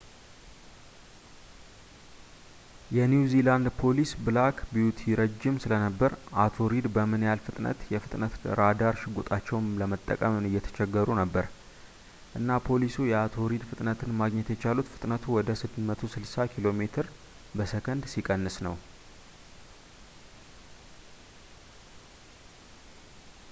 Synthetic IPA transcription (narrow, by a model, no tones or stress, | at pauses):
jɛnjuziland̪pʰo̞lisbɨlakʰbijut̪ʰiɾəd͡ʒːɪmsɨlənəbːəɾʔat̪ʰo̞ɾid̪bəmɨnjalfɨt̪ʼnə̰t̪jɛfɨt̪ʼnət̪ɨ̰ɾad̪aɾʃɪɡot̪ʼat͡ʃːɛwnləmət̪ʼːə̰kʼəmɨnɨjːɛt̪ʰə̥t͡ʃɛɡːəɾunəbːəɾ | ʔɨnːapʰo̞lisujɛat̪ʰo̞ɾid̪fɨt̪ʼnət̪ʰɨnmaɡɲɛt̪jɛt͡ʃalut̪fɨt̪ʼnət̪ʰuwɔd̪əsɨd̪mət̪ʰosɨlsakʰilo̞me̞t̪ʰɨɾ | bəsəkʰənd̪sikʼənːɨsnəw